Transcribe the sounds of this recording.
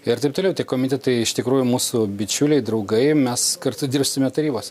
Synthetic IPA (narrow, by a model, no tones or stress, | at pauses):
ɪɾt̪ɐɪp̚t̪oːlʲɛʊt̪ʲiɛkoːmʲɪt̪ʲɛt̪ɐɪɪʃt̪ʲɪkɾuːjʊmuːsʊbʲɪt͡ʃʲulʲɛɪd̪ɾɐʊɡɐɪmʲɛskɐrt̪ʊd̪ʲɪrpʲsʲɪmʲɛt̪ɐɾʲiːboːsʲ